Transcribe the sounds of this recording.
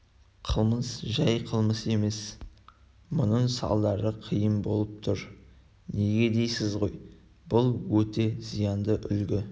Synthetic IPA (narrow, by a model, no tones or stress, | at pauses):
qʰəlˠməsʒæjqʰəlˠməse̞me̞s | mʊnəɴsɑ̰lˠd̪ɑɾəqʰijəmbo̞̰lˠəp̚t̪ʰʊɾ | ne̞ɡʲe̞d̪e̞jsɪzʁo̞j | b̥ʊlˠwɵt̪e̞zijɑnd̪əʔʏlɡʲɪ